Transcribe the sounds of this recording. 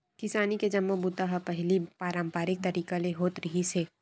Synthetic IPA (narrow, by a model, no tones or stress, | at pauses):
kɪsaːniked͡ʒɐmːobut̪aɦapɛɦlipaːɾãːmpaːɾɪk̚t̪ɐɾiːkaleɦoːt̪ɾɐɦiseː